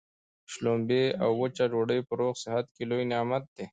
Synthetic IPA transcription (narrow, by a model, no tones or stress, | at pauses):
ʃlombeawːət͡ʃaɖoːɽəjpəɾoqsɪɦat̪̚kelojnjɑːmat̪̚d̪̥e